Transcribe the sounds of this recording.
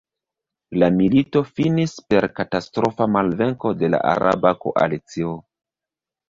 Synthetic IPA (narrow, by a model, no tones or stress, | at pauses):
lamilito̞finispe̞ɾkatastɾo̞famalve̞ŋko̞de̞la̰ʔa̰ɾa̰bako̞̰ʔa̰lit͡sio